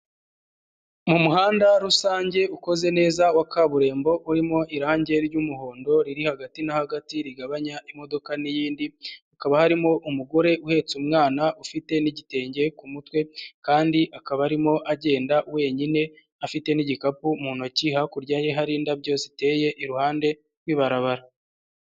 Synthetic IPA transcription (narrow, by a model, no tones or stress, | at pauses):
mumuɦaːndaɾusaːɲɟe̞uko̞ze̞ne̞ːzawakaβuɾe̞ːmbo̞ʔuɾimo̞ʔiɾaːɲɟe̞ɾjumuho̞ːndo̞ɾiɾihaɡatinahaɡatiɾiɡaβaɲaʔimo̞do̞kanijiːndiukaβahaɾimo̞ʔumuɡo̞ɾe̞ʔuhe̞t͡sumŋaːnaʔufite̞niɟite̞ːɲɟe̞kumutwe̞kaːndiʔakaβaɾimo̞ʔaɟe̞ːndawe̞ːɲine̞ | afite̞niɟikapumuːnociːhakuɾɟaːje̞ɦaɾiːndabɟo̞ːsite̞ːje̞ʔiɾuhaːnde̞ | ɾwiːβaɾaβaɾa